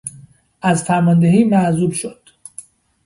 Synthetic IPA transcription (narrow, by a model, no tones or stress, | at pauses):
ʔæzfæɾmɒnd̪eɦiːmæzuːlʃod̪̥